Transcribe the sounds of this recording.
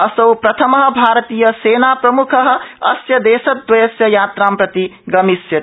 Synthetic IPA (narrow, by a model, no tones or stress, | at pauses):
ɐsɐwpɾɐt̪ʰɐmɐɦʌ̆bʱaːɾt̪ijɐseːnapɾɐmukʰɐɦ̆ɐsjɐd̪eːsɐt̪̚d̪wɐjɐsjɐjaːt̪ɾaːmpɾɐt̪iɡɐmisjɐ